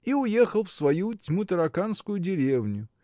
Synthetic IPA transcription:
iʊje̞xəlˠfsvɐjutʲmut̪əɾɐkanskʊjʊdʲɪɾʲevnʲʊ

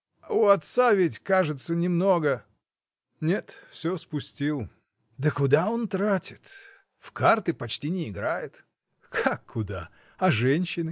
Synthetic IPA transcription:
ʊɐt̪savʲɪtʲkaʐɨt̪sənʲɪmno̞ɡə | nʲe̞t̪fsʲospʊsʲtʲilˠ | d̪əkʊd̪ao̞nt̪ɾatʲɪt̪ | fkart̪ɨpɐt͡ɕtʲinʲɪɪɡɾajɪt̪ | kʰakʰːʊd̪a | ɐʐɛnʲɕːɪnɨ

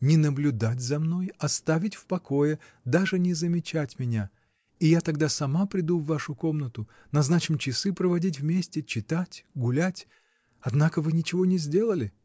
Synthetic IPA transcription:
nʲɪnəblʲʊd̪atʲzɐmno̞jɐst̪avʲɪtʲfpɐko̞jɪ | d̪aʐɨnʲɪzəmʲɪt͡ɕætʲmʲɪnʲa | ijat̪ɐɡd̪asɐmapɾʲɪd̪uvːaʂʊko̞mnət̪ʊ | nɐznat͡ɕɪmt͡ɕɪsɨpɾəvɐdʲit̬ʲvmʲesʲtʲɪt͡ɕɪt̪atʲɡʊlʲætʲ | ɐd̪nakəvɨnʲɪt͡ɕɪvo̞nʲɪzʲdʲe̞lˠəlʲɪ

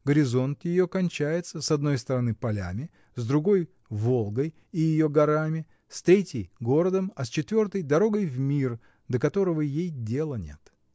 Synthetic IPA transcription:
ɡəɾʲɪzo̞nt̪jɪjo̞kɐnʲt͡ɕæjɪt̪səsɐd̪̚no̞jst̪əɾɐnɨpɐlʲa̰mʲɪ | zd̪ɾʊɡo̞j | vo̞lˠɡəj | ɪjɪjo̞ɡɐɾamʲɪ | st̪ɾʲetʲjɪjɡo̞ɾəd̪əmɐst͡ɕɪt̪vʲo̞rt̪əjd̪ɐɾo̞ɡəjvmʲir | d̪əkɐt̪o̞ɾəvəjejdʲe̞lˠənʲe̞̰t̪

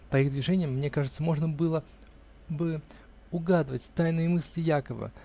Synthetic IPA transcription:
pɐiɣd̪vʲɪʐɛnʲɪjəmːnʲe̞kaʐɨt̪səmo̞ʐnəbɨlˠə | bɨ | ʊɡad̪ɨvətʲt̪ajnɨjəmɨsʲlʲɪjakəvə̰

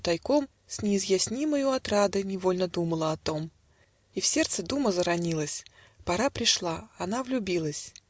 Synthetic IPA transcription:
t̪ɐjkom | sʲnʲɪːzjasʲnʲiməjʊɐt̪ɾad̪ɨnʲɪvo̞lʲnəd̪uməlˠəɐt̪o̞m | ifsʲe̞rt̪səd̪uməzəɾɐnʲilˠəsʲ | pɐɾapɾʲɪʂlˠaɐnavlʲʊbʲilˠəsʲ

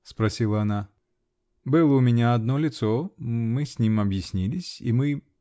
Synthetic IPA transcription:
spɾɐsʲilˠəɐna | bɨlˠəʊmʲɪnʲaɐd̪nolʲɪt̪so̞mɨsʲnʲimɐbjɪsʲnʲilʲɪsʲḭmɨ

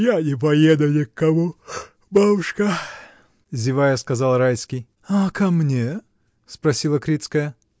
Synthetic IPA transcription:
janʲɪp̬ɐjed̪ʊnʲɪkːɐmu | babʊʂkɐ | zʲɪvajəskɐzɑlˠɾajskʲɪj | akɐmnʲe | spɾɐsʲilˠəkɾʲit̪skəjə

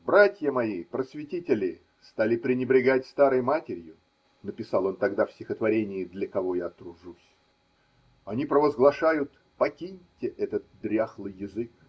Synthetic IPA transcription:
bɾatʲjəmɐipɾəsvʲɪtʲitʲɪlʲɪ | st̪alʲɪpɾʲɪnʲɪbɾʲɪɡatʲst̪aɾɨjmatʲɪɾʲjʊ | nəpʲɪsɑlˠo̞nt̪ɐɡd̪afsʲtʲɪxət̪vɐɾʲenʲɪːd̪lʲəkɐvo̞jat̪ɾʊʐusʲ | ɐnʲipɾəvəzɡlˠɐʂajʊt̪ | pɐkʲinʲtʲɪʔɛt̪ət̪̚d̪ɾʲaxlˠɨjjːɪzɨk

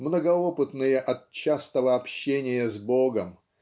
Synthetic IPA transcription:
mnəɡɐopɨt̪nɨjəʔɐt̪̚t͡ɕast̪əvəɐpɕːenʲɪjəzboɡəm

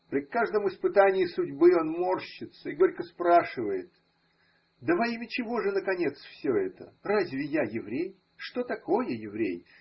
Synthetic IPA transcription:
pɾʲɪkaʐd̪əmɨspɨt̪anʲɪɪsʊdʲbɨo̞nmo̞rɕːɪt̪səɪɡo̞ɾʲkəspɾaʂɨvəjɪt̪ | d̪əvɐimʲɪt͡ɕɪvo̞ʐɨnəkɐnʲe̞t̪sfsʲoɛt̪ə̰razʲvʲɪjajɪvɾʲej | ʂt̪o̞t̪ɐko̞jəjɪvɾʲḛj

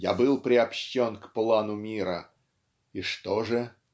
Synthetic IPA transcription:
jabɨlˠpɾʲɪɐpɕːonkplˠanʊmʲiɾə | iʂt̪oʐɨ

